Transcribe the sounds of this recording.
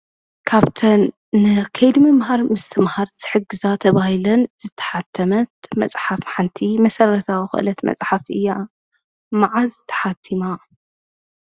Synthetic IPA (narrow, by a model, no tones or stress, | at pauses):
kʰaβt̪ʰɐnː | ɨkʰɐjd̪mɐmɦaɾmɨst̪ʰɨmhaɾzʰɨ̥ħɨɡːɨzat̪ʰɐβahilɐnz̥ɨt̪ʰːɐ̥ħat̪ʰːɐmɐt̪̚mɐ̰t͡sʼħafħant̪ʰimɐsɐrɐt̪ʰawixɨ̰ʔɨ̰lɐt̪mɐ̰t͡sʼħafʔɨjːa | maʕazɨt̪ʰːɐ̥ħat̪ʰːima